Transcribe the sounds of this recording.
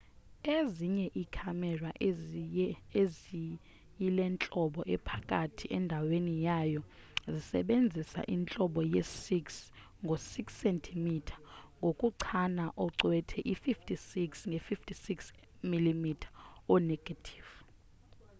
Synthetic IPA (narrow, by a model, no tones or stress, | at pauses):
eziɲɛʔikʰamɛra | ezi | jilɛnt͡ɬʼɔɓɔʔɛpʰakʼatʰiʔɛndʱawenijajɔzisɛ̰ɓend͡zʱisa̰ʔint͡ɬʼɔɓɔjesiks | ŋɡʱosiksɛntʰimitʰḁŋɡʱokʼuǀʰanaʔɔǀwɛtʰɛʔififtʰʼisiksŋɡʱɛfiftʰʼisiks | milimitʰḁɔnɛɡ̥ʱatʰi̥v